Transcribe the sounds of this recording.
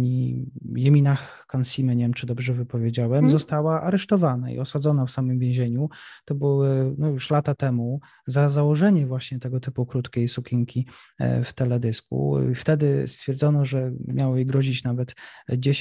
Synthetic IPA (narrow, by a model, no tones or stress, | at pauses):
ɲijɛmʲinax | kansʲimɛɲevʲɛmt͡ʂɘd̪ɔbʐɛvɘpɔvʲjed͡ʑawɛmzɔst̪awaʔaɾɛʂt̪ɔvanaḭɔsad̪zɔnafsamɘmvʲjẽw̃ʑeɲut̪ɔbɘwɪnɔjuʂlat̪at̪ɛmu | zazawɔʐɛɲɛvwaɕɲɛt̪ɛɡɔt̪ɘpukɾut̪kʲejsukʲiŋkʲift̪ɛlɛd̪ɘskṵft̪ɛd̪ɘst̪fʲjɛɾd̪zɔnɔʐɛmʲjawɔjiɡɾɔʑit͡ɕnavɛt̪d͡ʑeɕ